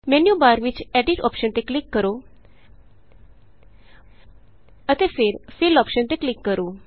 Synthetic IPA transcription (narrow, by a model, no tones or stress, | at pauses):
menjubaɾʋit͡ɕɛɖiʈɔ̰pɕənt̪eklikːəɾo | ət̪efeɾfilɔpɕənt̪eklikːəɾo